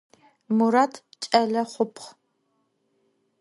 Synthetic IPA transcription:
muɾaːtʰt͡ʃʼɐɮɐχʷʊpʰχ

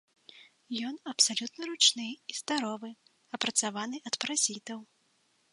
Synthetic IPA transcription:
jɔnɐpsalʲut̪nɐɾut͡ʂnɨizd̪aɾɔvɨ | ɐpɾɐt̪savanɨʔɐt̪pɾazʲit̪ɐw

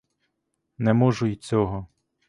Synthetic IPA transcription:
nɛmɔʒʊit͡sʲɔɦɔ

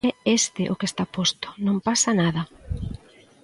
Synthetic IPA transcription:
ɛest̪ɪʔokest̪apost̪ʊ̥nõmpasɐnað̞ɐ

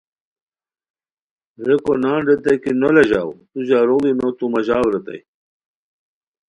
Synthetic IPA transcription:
ɾekonaːɳɖet̪ekinolɐʑaːwt̪uʑaɾoinot̪umɐʑaːwɾet̪ɐ̰j

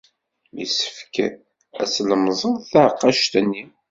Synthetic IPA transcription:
mḭsə̥fkæ | æsləmzˤənθaʕqːɑʃt̪ənːi

